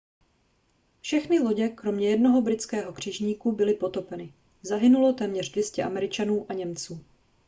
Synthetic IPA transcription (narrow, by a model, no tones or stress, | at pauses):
fʃɛxnɪlo̞ɟɛkɾo̞mɲɛjɛdno̞ɦo̞bɾɪt͡skɛːɦo̞kr̥ɪʒɲiːkubɪlɪpo̞t̪o̞pɛnɪ | zaɦɪnulo̞t̪ɛːmɲɛrdvjɛscɛʔamɛɾɪt͡ʃanuːʔaɲɛmt͡suː